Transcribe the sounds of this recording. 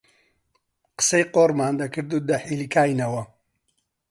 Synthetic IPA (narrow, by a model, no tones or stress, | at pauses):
qə̥sejqoːɾmaːnd̪ɐkɨɾd̪ud̪ɐħilikaːjnɐwɐ